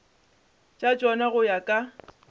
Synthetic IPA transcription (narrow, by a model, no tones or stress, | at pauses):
t͡ʃʼat͡ʃʼɔnaɣʊjakʼa